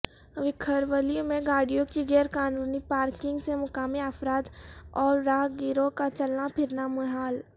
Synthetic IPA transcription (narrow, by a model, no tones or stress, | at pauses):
ʋɪkʰəɾʋəlijõmẽɡaːɽijõkiɣɛːɾkaːnũːnipaːɾkɪ̃ŋɡsemʊkaːmiəfɾaːd̪ɔːɾːaːɦɡɪɾokat͡ʃɐlnapʰɪɾnamʊɦaːl